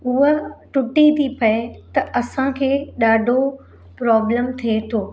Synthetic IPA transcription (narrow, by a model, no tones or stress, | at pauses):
ʊɦəʈʊʈit̪ʰipɐet̪ɐʔɐsãkʰeːɗaːɖʱo | pɾɔːbləmt̪ʰiet̪ʰoː